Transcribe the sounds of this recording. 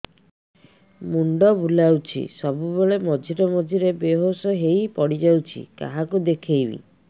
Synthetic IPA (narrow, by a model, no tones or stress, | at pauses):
muɳɖɔbulawt͡ʃʰḭsɔbubeɭemɔd͡ʒʱiɾɔmɔd͡ʒʱiɾebeɦosɔɦejpɔɽid͡ʒawt͡ʃʰḭka̰ɦakud̪ekʰejbḭ